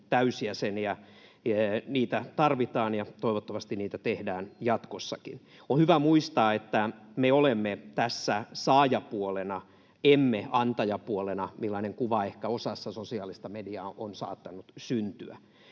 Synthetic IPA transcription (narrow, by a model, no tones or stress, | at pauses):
t̪æysiæsenjɑ | niːt̪æt̪ɑrʋit̪ɑːnjɑt̪oiʋot̪ːɑʋɑst̪inniːt̪æt̪ehdæːnjɑt̪kosːɑkḭn | ohyʋæmuist̪ɑːet̪ːæmeolemːet̪æsːæsɑːjɑpuolenɑ | emːeʔɑnt̪ɑjɑpuolenɑmilːɑneŋkuʋɑehkæosɑsːɑsosiɑːlist̪ɑmediɑʔonsɑ̰ːt̪ːɑnut̪synt̪yæ̰